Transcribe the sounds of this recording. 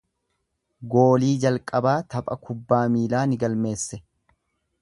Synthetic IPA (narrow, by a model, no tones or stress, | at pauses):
ɡo̞ːliːd͡ʒɐlkʼɐbaːt̪ɐpʼɐkʊbːaːmiːlaːnɪɡɐlme̞ːsːɛ